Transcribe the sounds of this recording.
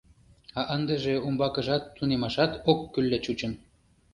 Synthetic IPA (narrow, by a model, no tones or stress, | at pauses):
ɑʔənd̪ə̆ʒĕumbɑkə̆ʒɑt̪ːunemɑʃɑt̪okːylːet͡ɕut͡ɕə̆n